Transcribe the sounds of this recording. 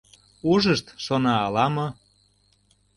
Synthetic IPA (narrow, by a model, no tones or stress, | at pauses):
uʒəʃt̪ʃonɑːlɑmɤ̆